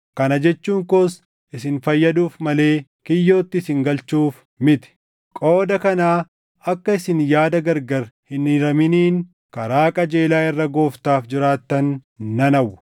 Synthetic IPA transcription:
kɐnɐd͡ʒɛt͡ʃːuːŋkos | ʔɪsɪnfɐjːɐd̪uːfmɐle̞ːkɪjːo̞ːt̪ːɪsɪŋɡɐlt͡ʃːuːf | mɪt̪ɪ̥ | kʼo̞ːd̪ɐkɐnaː | ɐkːɐɪsɪnjaːd̪ɐɡɐɾɡɐɾhɪnɪɾɐmɪniːŋ | kɐɾaːkʼɐd͡ʒe̞ːlaːɪrːɐɡo̞ːft̪aːfd͡ʒɪɾaːt̪ːɐnːɐnɐwʊ

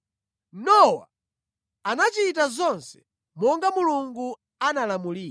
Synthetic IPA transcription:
nɔwa̰ | anat͡ʃitazɔnsɛ̥ | mɔŋɡamuluŋɡu | analamuliːla

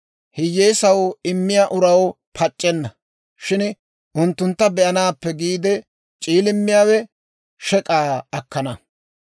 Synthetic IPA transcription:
hɪjːeːsɐwɪmːɪjaːʔʊɾɐw | pʰɐt͡ʃʼːɛnːɐ | ʃɪn | ʔʊnt̪ːʊnt̪ːɐbɛʔɐnaːpːɛɡiːd̪ɛ | t͡ʃʼiːlɪmːɪjaːwɛ | ʃɛkʼaːɐkːɐnɐ

